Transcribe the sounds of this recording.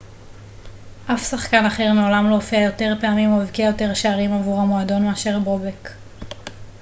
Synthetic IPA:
ʔafsaχkanaχe̞ʁmeolamloːfiajo̞te̞ʁpeamimoevkiajo̞te̞ʁʃeaʁimavuʁamoado̞nmeaʃe̞ʁbʁobek

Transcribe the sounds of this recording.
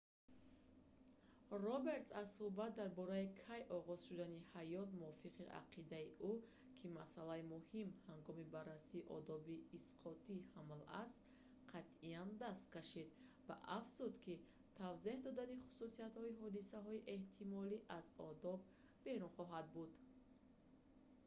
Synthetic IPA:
rɔbe̞ɾt̪sazsuhbat̪̚d̪aɾbɔɾaikʰajʔɔʁɔz̥ʃud̪anihajɔt̪muɔfiqʰiʔa̰qʰid̪aiʔu | kʰimasalaimuhimhaŋɡɔmibarːasiːʔɔ̰d̪ɔbiːsqʰɔt̪ʰihamla̰st̪ | qʰat̪iand̪ast̪̚kaʃid̪ | va̰ʔafz̥ud̪kʰi | t̪ʰavzehd̪ɔd̪aniχu̥susiat̪hɔiɦɔd̪isaɦɔiʔe̞ht̪ʰimɔliʔazɔ̰d̪ɔb̚ː | e̞ɾunχɔɦad̪̚bud̪

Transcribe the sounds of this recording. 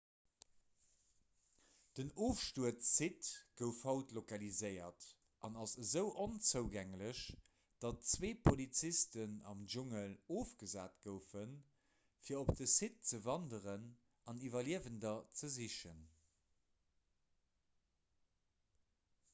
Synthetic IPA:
d̥ənoːfʃtuətsitɡ̥əʊfhɑʊtlokɑlizəɪɐ̰t | ʔɑnɑsəzəʊʔont͡səʊɡæŋləɕ | d̥ɑtt͡sweːpʰolit͡sistənɑ̰mʒuŋəloːfɡ̥əzaːtɡ̥əʊfən | fiːɐopdəsit̚t͡səvɑndəʁən | ɑnivɐliəvəndɐt͡səziʃən

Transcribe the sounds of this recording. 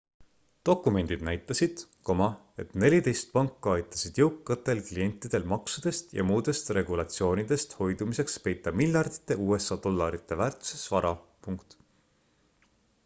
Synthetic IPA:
t̪o̞kːˑume̞nʲd̪̥id̪̥næjt̪ːˑɑsid̪̥ko̞mɑ | e̞t̪ne̞lʲit̪e̞jst̪̚pɑŋkːuɑjt̪ˑːɑ̥sid̪̥jɤwkːɑt̪ːe̞lklie̞nʲt̪ːˑid̪̥e̞lmɑksud̪̥e̞st̪jɑ̰muːd̪e̞st̪re̞ɡulɑt̪sio̞ːnid̪̥e̞st̪ho̞jd̪̥umise̞kspe̞jt̪ːˑɑmilʲjɑrd̪̥i̥t̪ːˑe̞uːe̞sɑd̪̥o̞lːɑɾit̪ːˑe̞væːrt̪ˑu̥se̞svɑɾɑpuŋkt̪

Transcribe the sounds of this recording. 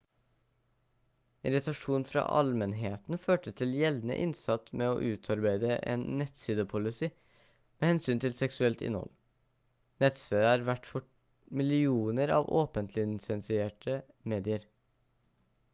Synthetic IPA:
ɪɾɪt̪ɑʂuːnfɾɑ̰ːʔɑ̰lmənɦeːt̪n̩føːʈət̪ʰɪljɛlnə̰ʔɪnsɑt̪meːoːʔʉːt̪ʰɑɾbæɪd̪əʔḛːnːɛt̪siːd̪əpʰʊlɪsiː | meːhɛnsyːnt̪ʰɪlsɛksʉɛlt̪ɪ̰nhɔ̰l | nɛt̪siːd̪əæːɾʋæʈfɔ | mɪlɪuːnəɾɑ̰ːʋo̰ːpənt̪ʰlɪnsɛnsɪeːʈʰə | meːd̪ɪəɾ

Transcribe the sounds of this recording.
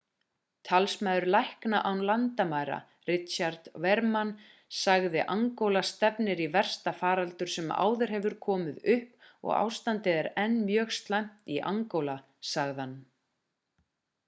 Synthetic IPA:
t̪ʰalsmaðʏɾlajhknaʔawnlant̪amaːjɾa̰ | rɪt̪ɕaɾt̪vɛɾman | saɣðɪʔaŋkowlast̪ɛpnɪɾivɛr̥st̪afaːɾalt̪ʏɾ̥sɛma̰ːwðɪɾ̥hɛvʏɾkʰɔːmɪðʏhpɔ̰ɣa̰ːwst̪ant̪ɪðɛɾɛnːmjœːɣst̪lajm̥t̪iʔa̰ŋkowla | saɣðanː

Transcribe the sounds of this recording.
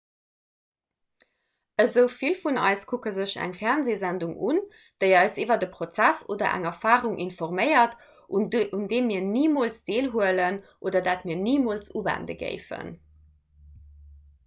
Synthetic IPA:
əzəʊfilfunɑ̰ɪskʰukəzəɕæ̰ŋfɛʁnzeːzænduŋun | d̥əɪɑɪsivɐdəpʁot͡sæso̰ːdɐ̰ʔæ̰ŋɐfaːʁuŋʔinfɔʁmɜɪɐt | uʔundeːmiːɐniːmolsd̥eːlɦuələnʔoːdɐdaːtmiːɐniːmolsuːvæ̰ndə̰ɡɜ̰ɪfə̰n

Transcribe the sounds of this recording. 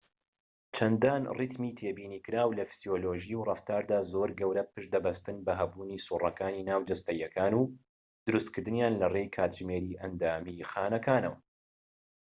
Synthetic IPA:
t͡ʃʰɐnd̪aːnrit̪miːt̪ʰeːbiːniːkɨɾaːwlɐfi̥z̥ijoloːʒiwrˤɑft̪aːɾd̪aːzoːɾɡɐwɾɐpɨʃd̪ɐbɐst̪ɨnbɐɦɐbuːniːsuːrˤɐkaːniːnaːwd͡ʒɐst̪ɐjɐkaːnuː | d̪̥ʊɾust̪kɨɾd̪ɨnjaːnlɐrejkʰaːt̪ʒmeːɾiːʔɐnd̪aːmixaːnɐkʰaːnɐ̰wɐ

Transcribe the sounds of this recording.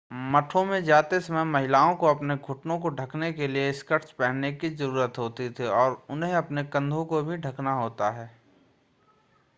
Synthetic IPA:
mɐʈʰõmẽd͡ʒaːt̪esɐməjmɐɦɪlaːõkoɐpneɡʱʊʈnõkoɖʱɐknekelieɪskəɾt͡ʃpɛɦnekizɐɾuːɾət̪ɦoːt̪it̪ʰeɔːɾʊnɦẽɐpnekɐ̃nd̪ʱõkobʱiɖʱɐknaɦoːt̪aɦɛː

